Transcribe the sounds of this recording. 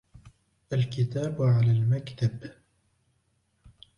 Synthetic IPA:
ʔalkɪt̪aːbʕalaːlmakt̪ab

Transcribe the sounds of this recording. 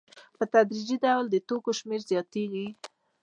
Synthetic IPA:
pət̪ad̪ɾid͡ʒid̪awld̪ət̪okoʃmeɾzjɑt̪eɡi

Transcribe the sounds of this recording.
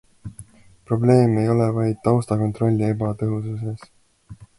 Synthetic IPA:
pro̞ble̞ːme̞jo̞levɑjd̪̥̚t̪ɑwst̪ɑko̞nt̪ro̞lʲːie̞bɑt̪ɤɦususe̞s

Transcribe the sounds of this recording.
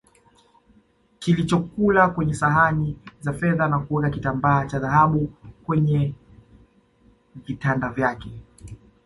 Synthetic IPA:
kilit͡ʃɔkulakwɛɲɛsaɦanizafɛðanakuɔlakitambaːt͡ʃaðaɦaɓukwɛɲɛ | vitandavjakɛ

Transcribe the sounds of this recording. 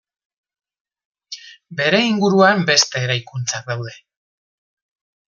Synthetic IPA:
be̞ɾe̞iŋɡuɾuambe̞st̪e̞ːɾajkunt͡sak̚d̪awðe̞

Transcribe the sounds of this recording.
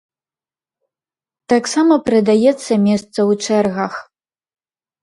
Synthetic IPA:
t̪aksamɐpɾɨd̪ajɛt̪sːɐmʲɛst̪sɐwt͡ʂɛrɣɐx

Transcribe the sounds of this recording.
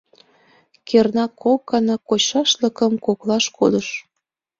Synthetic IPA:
kernɑkʰokːɑnɑkot͡ɕɑʃlə̆kəmkoklɑʃkod̪əʃ

